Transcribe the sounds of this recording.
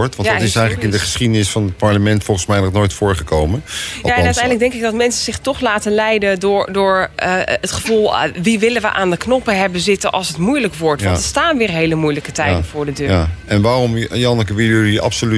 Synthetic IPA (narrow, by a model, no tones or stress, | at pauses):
ɹtʋɑndɔtɪsɛjχənləkɪndəχə̥sχidənɪsfɑnət̚pɑɹləmɛntfɔlˠχənsmɛjnɔχnojtfʊːɹχəkowmənaɛnnœtɛjndləɡ̚dɛŋkɪɡ̚dɑtmɛnsəz̥ɪχtɔχlaːtənlɛjdədʊːɹdʊːɹətχəvulˠʋiʋɪlənʋəʔaːndəknɔpəɦɛbəzɪtənʔɑ̰lˠsətmujləkʋɔɹtʋɑntəstaːnʋɪːɹɦejləmujləkətɛjdəvʊːɹdədøːɛnʋaːrɔmjɑnəkəʋɪlˠjədiɑ̰psoly